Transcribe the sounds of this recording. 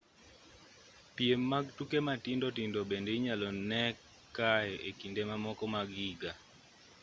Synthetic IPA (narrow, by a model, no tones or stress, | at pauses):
piemːaɡ̚tukematindɔtindobendeiɲalɔnɛkː | aɛʔekindemamɔkɔmaɡiɡa